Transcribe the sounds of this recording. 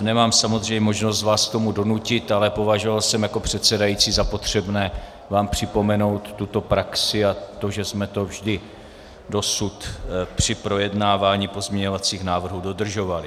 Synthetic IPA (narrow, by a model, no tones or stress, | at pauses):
nɛmaːmsamozr̝ɛjɲɛmo̞ʒnos̬t̪vaːsk̚t̪o̞mudo̞nucɪt̪alɛpo̞vaʒo̞valsɛmjako̞pr̝̥ɛt̪sɛdajiːt͡siːzapo̞t̪r̝̥ɛbnɛː | vaːmpr̝̥ɪpo̞mɛno̞wt̪ːut̪o̞pɾaksɪat̪o̞ʒɛsmɛt̪o̞vʒdɪ | do̞sut̪pr̝̥ɪpɾo̞jɛdnaːvaːɲiːpo̞zmɲɛɲo̞vat͡siːxnaːvr̩ɦudo̞dr̩ʒo̞valɪ